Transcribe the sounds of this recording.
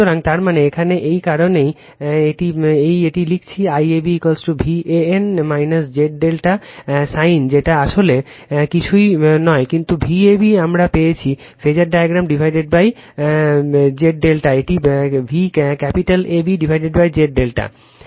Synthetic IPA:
oɾaŋt̪aɾmaneekʰaneʔejkaɾonej | eʈiejeʈilik̚ʰt͡ɕʰiajebikolsʈubʱiʔeenmajnasd͡ʑeʈ̚ɖelʈasajnd͡ʑeʈaaʃole | kit͡ɕʰujnɔekint̪ubʱiebiamɾapejet͡ɕʰi | fʰed͡ʑaɾɖajaɡɾamɖibʱajɖeɖ̚baj | d͡ʑeʈ̚ɖelʈaeʈibʱikkɛpiʈalebiɖibʱajɖeɖbajd͡ʑeʈ̚ɖelʈa̰

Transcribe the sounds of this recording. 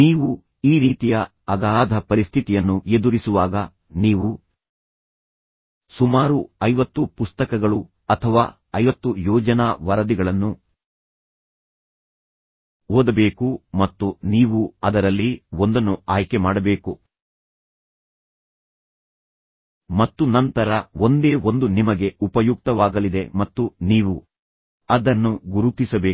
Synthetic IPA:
niːʋu | iːɾiːt̪ijɐː | ɡaːd̪ʱɐpɐɾist̪ʰit̪ijɐnːue̞d̪uɾisuʋaːɡɐ | niːʋu | sumaːɾuɐjʋɐt̪ːupust̪ɐkɐɡɐɭu | ɐt̪ʰɐʋaː | ɐjʋɐt̪ːujɔːd͡ʒɐnaːʋɐɾɐd̪iɡɐɭɐnːu | oːd̪ɐbe̞ːkumɐt̪ːuniːʋuɐd̪ɐɾɐlːiond̪ɐnːuaːjkemaːɽɐbe̞ːku | mɐt̪ːunɐnt̪ɐɾɐo̞nd̪e̞ːʔo̞nd̪unimɐɡe̞upɐjuk̚t̪ɐʋaːɡɐlid̪e̞mɐt̪ːuniːʋu | ɐd̪ɐnːuɡuɾut̪isɐbeː

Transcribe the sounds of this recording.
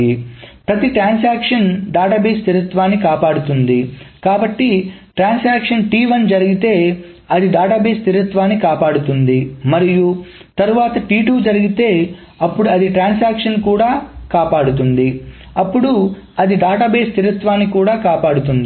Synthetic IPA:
ipɾɐt̪iʈɾaːns̬aːkʂɐnɖaːʈaːbeːst̪ʰiɾut̪ʋaːnːikaːpaːɽut̪und̪ikaːbɐʈːiʈɾaːnsaːkʂɐnʈiːʋɐnd͡ʒɐɾiɡit̪e̞ː | ɐd̪iɖaːʈaːbeːst̪ʰiɾut̪ʋaːnːikaːpaːɽut̪und̪imɐɾijut̪ɐɾuʋaːt̪ɐʈiːʈuːd͡ʒɐɾiɡit̪e̞ː | ɐpːuɽuɐd̪iʈɾaːns̬aːkʂɐnkuːɽaːkaːpaːɽut̪und̪i | ɐpːuɽu | ɐd̪iɖaːʈaːbeːst̪iɾut̪ʋaːnːikuːɽaːkaːpaːɽut̪und̪i

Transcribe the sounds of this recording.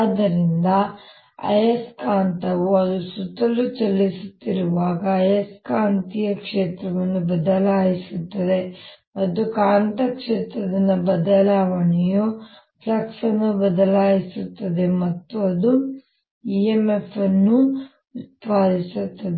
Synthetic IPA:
d̪ɐɾind̪ɐ | ɐ̰jɐskaːɳt̪ɐʋuɐd̪usut̪ːɐlːut͡ʃɐlːisut̪ːiɾuʋaːɡɐɐjɐskaːnt̪ijɐkʂeːt̪ɾɐʋɐnːubɐd̪ɐlaːjisut̪ːɐd̪e̞mɐt̪ːukaːɳt̪ɐkʂeːt̪ɾɐd̪ɐnːɐbɐd̪ɐlaːʋɐɳɛju | pʰlɐksɐnːubɐd̪ɐlaːjisut̪ːɐd̪e̞mɐt̪ːuɐd̪u | iemefʰɐnːu | ut̪ʋaːd̪isut̪ːɐd̪e

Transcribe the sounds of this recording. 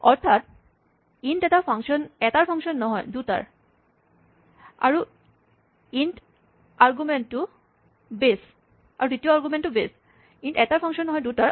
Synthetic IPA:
ɔɾt̪ʰat̪̚ | iɳʈɛtapʰaŋʃɔnɛt̪aɾfʰɔŋʃɔnːɔɦɔjduʈa̰ɾ | a̰ɾu | inʈ | aɾɡumenʈu | bes | a̰ɾuditioaɾɡumenʈubes | iɳʈɛt̪aɾpʰɔŋʃɔnːɔɦɔed̪utaɾ

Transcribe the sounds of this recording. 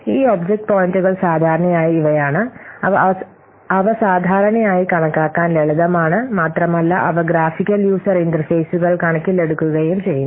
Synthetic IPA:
iːoːbd͡ʑek̚ʈ̚poːjinʈuɣɐɭsaːd̪ʱaːɾɐɳɐjaːjiːʋɐjaːɳɨɐʋɐɐ | ɐʋɐsaːd̪ʱaːɾɐɳɐjaːjikɐɳɐkːaːkːaːnleɭɐd̪ɐmaːɳɨmaːt̪rɐmɐlːɐʔɐʋɐɡɾaːfikʲːɐljuːsɐɾind̪ɐɾrfɐjsuɣɐɭkɐɳɐkːile̞ɽukːuɣɐjumt͡ɕe̞jːun

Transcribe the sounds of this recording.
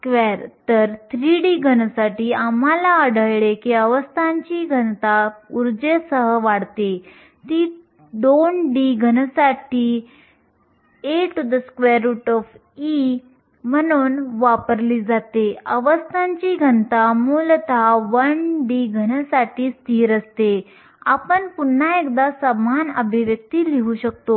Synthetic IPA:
skʋeɾt̪əɾt̪ʰɾiɖiɡʱənsaʈiːam̤alaəɽʱəjɭekiəʋəst̪ʰãɲt͡ɕiɡʱənt̪auɾd͡zesəɦəʋaɽt̪e | t̪i | d̪onɖiɡʱənəsaʈiː | eʈd̪əskʋeɾuʈɔf | i | m̤ənuːnʋapəɾliːd͡zat̪eəʋəst̪ʰãɲt͡ɕiɡʱənt̪amult̪ʰaʋənɖiɡʱənsaʈʰiːst̪ʰiːɾəst̪e | apəɳpun̤ːaekd̪asəmanəbʱiʋjək̚t̪iːliɦuɕək̚t̪o

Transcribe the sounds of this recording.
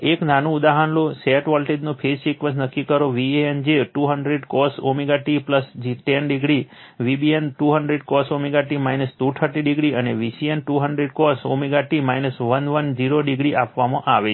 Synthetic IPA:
eknanũːd̪aɦanloseʈʋɔlʈeɖnũpʰest͡ʃikʋəsnəkːikəɾoʋieend͡ʒeʈuɦəɳɖɾeɖkɔsomiɡaʈipləsd͡ʒiʈɛnɖɪɡɽi | ʋibienʈuɦəɳɖɾeɖkɔsomiɡaʈimajnəst̪uʈ̪ʰəɾʈiɖiɡɽiəneʋisienʈuɦəɳɖɾeɖkɔso̰miɡaʈimajnəsʋənʋənd͡ʒiɾoɖɪɡɽiʔapʋamãʔaʋe

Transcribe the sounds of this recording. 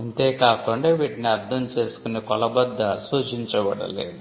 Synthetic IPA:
ɐnt̪eːkaːkuɳɖeːʋiːʈiniɐɾd̪ʱɐmt͡ʃe̞ːsu̥kunikɔlɐbɐd̪ːɐsuːt͡ʃiɲt͡ʃɐbɐɽɐ̰lḛːd̪u

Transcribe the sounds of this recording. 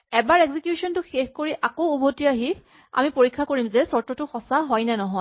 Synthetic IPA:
ɛbaɹɛɡzikjusɔntʊxexkoɹiʔakoubʱotiaɦi | a̰mipoɹikʰːakoɹimzɛsɔtɔtʊxɔsaɦɔjnɛnɔɦɔj

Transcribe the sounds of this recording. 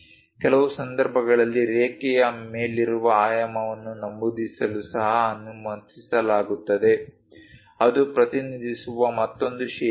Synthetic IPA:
kɛlɐʋusɐnd̪ɐɾbʱɐɡɐɭɐlːiɾeːkɛjɐme̞ːliɾuʋɐaːjɐmɐʋɐnːunɐmbud̪isɐlusɐɦɐːnːumɐnsisɐlaːɡut̪ːɐd̪e̞ | ɐd̪upɾɐt̪inid̪ʱisuʋɐmɐt̪ːo̞nd̪uʃɛ

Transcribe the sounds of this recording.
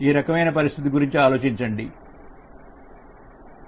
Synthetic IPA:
iːɾɐkɐmɐjnɐpɐɾist̪ʰit̪̬iɡuɾiɲt͡ʃiaːlo̞ːt͡ʃiɲt͡ʃɐɳɖi

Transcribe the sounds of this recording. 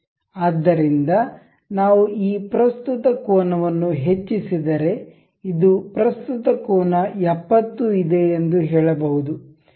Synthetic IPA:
aːd̪ːɐɾind̪ɐ | naːʋuiːpɾɐst̪ut̪ɐkɔːnɐʋɐnːuɦe̞t͡ʃːisid̪ɐɾe̞ | id̪upɾɐst̪ut̪ɐkɔːnɐɛpːɐt̪ːuid̪e̞ːnd̪uɦɛːɭɐbɐɦud̪u

